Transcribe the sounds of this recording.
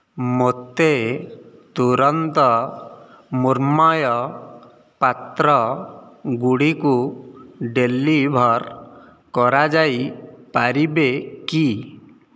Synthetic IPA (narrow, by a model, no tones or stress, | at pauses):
mot̪e | t̪uɾɔnt̪ɔ | muɾmɔjɔ | pat̪ɾɔ | ɡuɽiku | ɖelːibʱɔɾ | kɔɾad͡ʒajpaɾibeki